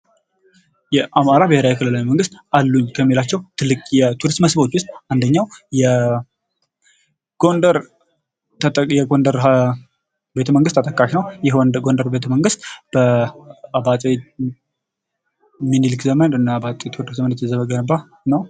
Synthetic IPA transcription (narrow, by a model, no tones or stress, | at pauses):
jɛʔamaɾabiheɾawjɛkʰɨlɨlawiməŋɡɨst̪ʔalːuɲːkʰəmːilat͡ʃːɛwt̪ʰɨlːɨkʼjɛt̪ʰuɾist̪məsbo̞t͡ʃːwʊst̪ʼand̪əɲːawjɛ | ɡ̥o̞nd̪əɾ | t̪ʰət̪əjɛɡond̪əɾ | be̞t̪ʰəməŋɡɨst̪ʰːət̪ʼəkʼːaʃnəwjɛɡond̪əɾbet̪ʰəməŋɡɨst̪b̥əabat̪ʼe | minilɨkzəmənd̪ɨnːabat̪ʼet̪ʰud̪zəmənd̪ɛt̪ʰːəzəməɡənəbːa | nəw